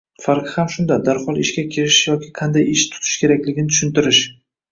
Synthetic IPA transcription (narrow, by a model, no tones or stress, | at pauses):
faɾqʰɨhamʃʊnd̪ad̪aɾhɒlˠɪʃkʲakʲʰeɾɪʃjɒkʲɪqʰɑnd̪ajɪʃt̪ʰʊ̥t̪ʰɪ̥ʃkʲe̞ɾakʲlɪɡʲɪnɪt̪ʰʊ̥ʃɪnt̪ɪɾɪʃ